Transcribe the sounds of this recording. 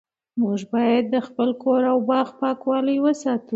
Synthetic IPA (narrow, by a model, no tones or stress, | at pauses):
muʒbɑjad̪ːəxpəlkoɾawbɑxpɑkwɑləjwəsɑt̪u